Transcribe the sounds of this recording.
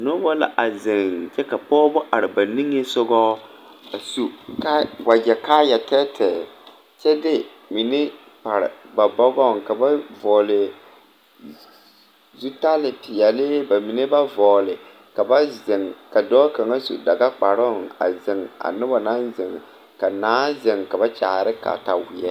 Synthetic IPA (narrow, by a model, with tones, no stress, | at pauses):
nʊ˦bɔ˦la̰˦ʔa˨zɪ˨ŋd͡ʒɛ˦ka˨pɔː˦bʊ˦ʔa˨ɾɪ˨ba˨ni˦ŋe˦sʊ˦ɡɔ˦ | a˨su˦ka˦wa˨d͡ʒɛ˨ka˦ja˨tɛ˦tʰɛ˨ | t͡ʃɛ˦dɪ˦ | mi˨ne˦ | pa˨ɾɪ̰˨ba˨bɔ˦ɡɔ˦˨ŋka˨ba˦vɔː˨lɪ˨ | zu˦ta˦lɪ˨pɪ˨jɛ˨lɪ˦ba˨mi˨ne˦ba˦vɔː˨lɪ˨ | ka˨ba˦zɪ˨ŋka˨dɔː˦ka˨ŋa˦sṵ˨da˨ɡa˦k͡pa˨ɾɔ˦˨a̰˨zɪ˨ŋa̰˨nɪ˦ba˨na˦nzɪ˨ŋ˨ | ka˨naː˨˦zɪ˨ŋka˨ba˦t͡ʃa̰ː˨ɾɪ˦ka̰˨ta˨wɪ˨ɛ˦